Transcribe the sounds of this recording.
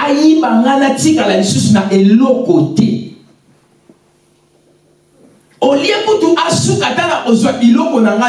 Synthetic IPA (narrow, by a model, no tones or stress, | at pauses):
ajimbaŋɡanatikalalisusunaʔelɔkɔtɛ̰ | oliakutuʔasukatalaʔozwaʔelɔkɔnaŋɡa